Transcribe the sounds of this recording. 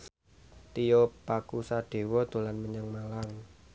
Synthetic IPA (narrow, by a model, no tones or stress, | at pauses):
t̪ijɔpakusaɖ̪̥e̤wɔd̪̥o̤lanməɲəŋmalaŋ